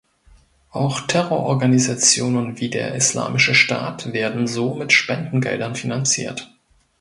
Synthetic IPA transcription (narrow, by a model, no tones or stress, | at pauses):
ʔaʊxtʰɛʁoɐʔɔɐɡanizat͡sjoːnənviːdeːɐʔɪsla̰ːmɪʃəʃta̰ːtv̥eːɐdn̩zoːmɪtʃpɛndn̩ɡɛ̰ldɐnfinant͡sḭːɐt